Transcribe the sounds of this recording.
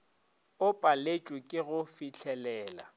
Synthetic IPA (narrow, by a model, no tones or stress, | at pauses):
ʊpʼalet͡ʃʼwɪkʼɪɣʊfit͡ɬʰɛlɛːla̰